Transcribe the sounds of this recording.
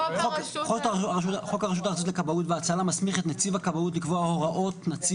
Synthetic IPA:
χokχotaʃuaʁaʃutχo̞kaʁeʃ̬utaʁt͡sotlekabautveat͡salamasmiχetnat͡sivakabaut̬likvoahoʁaʔo̞tnat͡si

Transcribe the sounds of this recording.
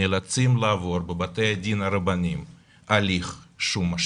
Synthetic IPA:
elat͡simlaːvo̞ɾbebat̪ejad̪ʲinaɾabanʲim | aliχʃumːaʃ

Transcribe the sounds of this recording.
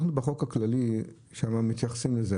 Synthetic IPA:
χnubeχo̞kaklali | ʃamamit̪jaχḁsimleze

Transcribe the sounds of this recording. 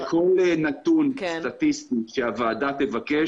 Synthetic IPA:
kʰolnat̪unst̪at̪ist̪ikʃeavaːd̪at̪evake

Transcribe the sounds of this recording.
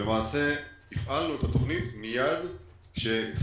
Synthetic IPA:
emaːse̞ifʔalnuet̪at̪oχnitmijad̪ | kʃenit̪

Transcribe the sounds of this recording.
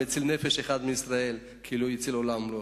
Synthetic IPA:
et͡silne̞feʃeχad̪meisʁae̞l | kʰiilujit͡silo̞lamlo

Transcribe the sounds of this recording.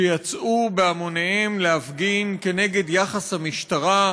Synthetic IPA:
ejat͡sʔubeamoneemlehafɡinke̞ne̞ɡe̞d̪jaχashamiʃt̪aʁa

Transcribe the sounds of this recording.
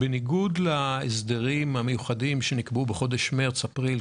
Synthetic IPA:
beniɡudlaesd̪eʁimhamejuχadimʃenikbubeχo̞deʃmeʁt͡sapʁil

